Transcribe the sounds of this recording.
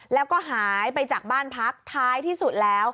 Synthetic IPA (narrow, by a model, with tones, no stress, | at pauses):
lɛː˦˥wkɔː˥˩ɦaː˩˦jpa˧jt͡ɕaː˨˩k̚baː˥˩npʰa˦˥k̚t̪ʰaː˦˥jt̪ʰiː˥˩su˨˩t̪̚lɛː˦˥w